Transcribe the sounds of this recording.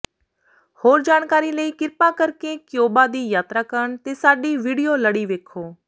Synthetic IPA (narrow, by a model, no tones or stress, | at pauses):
hoːɾd͡ʒaːñkaːɾiləiːkɪɾpaːkəɾkekjoːbad̪iːjaːt̪ɾakəɾəɳ̃t̪eːsaːɖiːʋiːɽijoləɽiːʋeːkʰoː